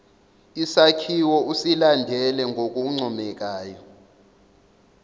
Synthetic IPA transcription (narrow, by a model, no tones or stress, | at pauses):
isakʰiwɔʔusilandʱɛlɛŋɡʱok̬ʼuŋ͡ǀʱɔmɛk̬ʼaːjɔ